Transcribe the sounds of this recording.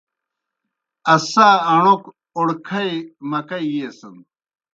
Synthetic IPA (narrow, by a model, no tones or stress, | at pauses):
ɐsaːɐɳ̃ok | oɽkʰɐjmɐkɐjjeːsɐn